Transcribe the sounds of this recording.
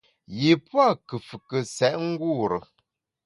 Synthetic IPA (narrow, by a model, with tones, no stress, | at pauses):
ji˨pwa˦˨kə˨fə˨kə˨sɛ˨ʔŋ̩˦ɡu˦˨ɾə˨